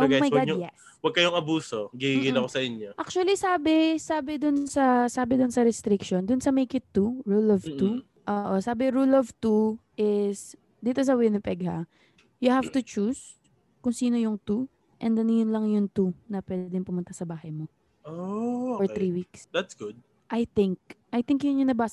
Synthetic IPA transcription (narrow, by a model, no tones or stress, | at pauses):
ʔoɡamɐjɡɡadjɛ̰s | wɐɡ̚kɐjoŋɐbuːsoɡiiɡɪnɐkosɐʔɪnoʔak̚t͡ʃuɐlisaːbɪsaːbɛd̪ʊnsɐsaːbɛd̪ʊnsɐɾɛst̪ɾɪkʃond̪ʊnsɐmejkɪt̪ːuɹulɔvt̪u | ʔoːʔosaːbɪɹulɔvt̪uʔɪs | d̪iːt̪os̬ɐwejnɐpɛɡha̰ | jʊhavt̪ʊt͡ʃus | kʊŋsiːno̞jʊŋt̪u | ʔɛnd̪ɛnjʊnlɐŋjʊnt̪unɐpwɛːd̪d̪ɛŋpʊmʊnt̪asɐbaːhɐjmo | ofɔɹθɾiwiksd̪at̪sɡ̥ʊd̪̚ | ʔɐjt̪ɪŋk̚ʔɐjt̪ɪŋkjʊŋjʊŋnɐbaːs